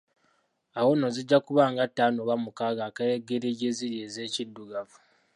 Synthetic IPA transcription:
awo̞noziɟːakuβaːŋɡatːaːnoβamukaːɡakajeɡːeɾeɟeziɾjeːze̞ːcidːuɡavu

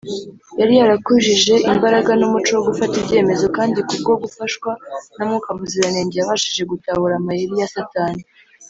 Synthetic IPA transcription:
jaɾijaɾakuʒiʒe̞ʔimbaɾaɡanumut͡ʃowoɡufatibɟe̞ːme̞zo̞kaːndikub̚ɡo̞ɡufaʃwanamŋuːkamuziɾaneːɲejaβaʃiʒe̞ɡutahuɾamajiɾijasataːni

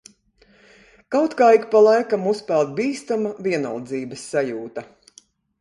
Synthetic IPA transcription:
kawt̪kaːikpalˠajkamuspɛlˠt̪̚biːst̪amaviɛnɔ̰lˠd̪ziːbɐsːajuːt̪ɐ

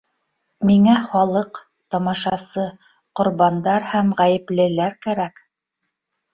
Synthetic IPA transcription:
miŋæχɑlˠɤq | t̪ɒmɑʃɑsɤ | qŏɾβɑnd̪ɑɾhæmʁæjɘ̆plɘ̆læɾkæɾæk

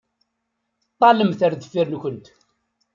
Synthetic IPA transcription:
t̪ˤːɑləmθæɾðəfːiɾnkʷənt̪

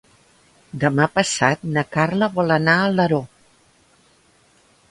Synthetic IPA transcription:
d̪əmapəsat̪nəkarləβɔlənaələɾo

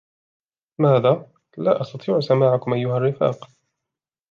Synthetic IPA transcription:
maːðaː | la̰ːʔɑst̪ɑt̪ˤiːʕsamaːʕakʊmʔajːʊharːɪfa̰ːq

